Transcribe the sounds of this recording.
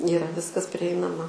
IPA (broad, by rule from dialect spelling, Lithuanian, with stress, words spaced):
iːˈrɐ ˈʋʲɪskɐs pʲrʲɪˈɛɪnɐmɐ